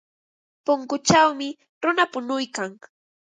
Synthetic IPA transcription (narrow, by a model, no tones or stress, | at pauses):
pʊŋkʊt͡ʃawmɪ | ɾʊnapʊnʊjkaŋ